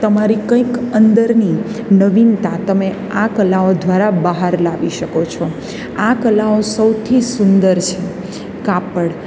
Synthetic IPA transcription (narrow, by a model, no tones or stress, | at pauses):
t̪əmaɾikə̃ikənd̪əɾninəʋint̪ãt̪əme | akəlaod̪ʋaɾabəɦaɾlaʋiʃəkot͡ʃʰɔ | akəlaosəwt̪ʰisund̪əɾt͡ʃʰe | kapəɽ